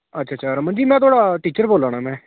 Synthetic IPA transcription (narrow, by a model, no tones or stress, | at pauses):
ətːʃʰaːt͡ʃʰaːɾəmənd͡ʒiːmɛ̃ːt̪̬oaːɽaːʈiːt͡ʃəɾboːlãːnaːmɛ̃ː